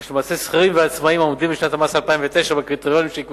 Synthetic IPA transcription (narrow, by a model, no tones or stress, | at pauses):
ʃlemaːsesχaʁimveat͡smaimomd̪imbiʃnat̪amasaalpaimvet̪eʃabekʁit̪oʁjonimʃeik